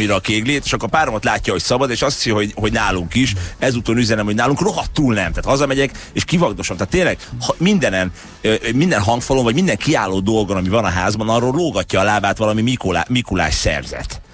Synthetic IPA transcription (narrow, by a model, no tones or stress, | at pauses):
miɾɒkeːɡleːt̪eːʃɒkːoːɾpaːɾomot̪laːcːɒɦo̞csɒbɒd̪eːʃɒst̪sjɦoɟɦo̞ɟnaːluŋkiʃɛzuːt̪onyzɛnɛmhoɟnaːluŋkro̞ɦɒt̪ːuːlnɛmt̪aːt̪hɒzɒmɛɟɛkeʃkivɒɡd̪oʃɒmt̪aːt̪ːeːnlɛɡhmind̪ɛnɛn | ømind̪ɛnɦɒŋkfɔlomvɒɟmind̪ɛŋkiaːlːoːd̪o̞lɡonɒmivɒnɒɦaːzbɒnɒroːloːɡɒcːɒːlaːbaːt̪ʋɒlɒmimikolamikula̰ːʃsɛ̰rzɛ̰t̪